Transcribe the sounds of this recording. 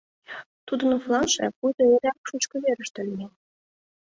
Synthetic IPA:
t̪ud̪ə̆noflˠɑnʃḛpujd̪oeɾʲɑkʃut͡ɕkɤ̆βeɾə̆ʃt̪ə̆lʲme

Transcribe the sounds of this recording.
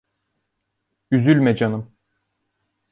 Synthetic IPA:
yzylʲmed͡ʒanɯm

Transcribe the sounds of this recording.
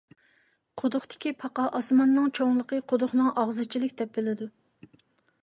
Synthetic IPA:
qʰod̪ʊχt̪ɪ̥kʲipʰɑqɑʔɑsmɑnːɨŋt͡ʃʰoŋlˠəqəqʰod̪ʊχnɨŋɑʁzɨt͡ʃʰilɪkʲd̪ɛp̚bɪlɪd̪u

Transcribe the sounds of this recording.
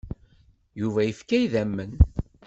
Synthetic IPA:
juvæjəfkæjðæmːən

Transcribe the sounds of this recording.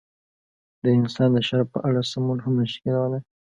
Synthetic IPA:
d̪əɪnsɑnd̪əʃaɾpə̰ʔaɽasamunɦamːəʃkɪlawala

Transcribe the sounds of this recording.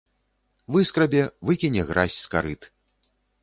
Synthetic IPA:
vɨskɾɐbʲɛvɨkʲinʲɛɣɾʔasʲskaɾɨt̪

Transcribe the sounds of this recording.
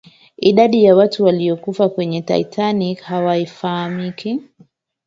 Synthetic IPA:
iɗaɗijawatuwaliɔkufakwɛɲɛta̰itʰanikhawaifahamikʰi

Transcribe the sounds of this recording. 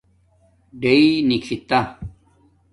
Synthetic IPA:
ɖeinikʰit̪a

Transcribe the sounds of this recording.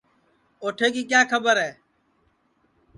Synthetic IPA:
oːʈʰeːk̬iːk̬jaːkʰəbəɾɦɛː

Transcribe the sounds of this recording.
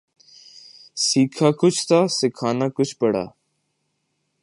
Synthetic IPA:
siːkʰaːkʊt͡ʃʰt̪aːsɪkʰaːnaːkʊt͡ʃʰpəɽa̰ː

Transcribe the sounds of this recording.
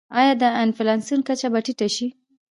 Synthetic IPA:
ɑjɑd̪əanfɪlɑnsunkat͡ʃabaʈiʈaʃi

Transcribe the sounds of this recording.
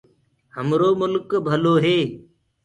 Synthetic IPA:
ɦəmɾoːmʊlkbʱəloːɦeː

